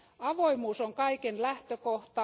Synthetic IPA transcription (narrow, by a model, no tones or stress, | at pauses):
ɑʋoimuːsoŋkɑikenlæht̪økoht̪ɑ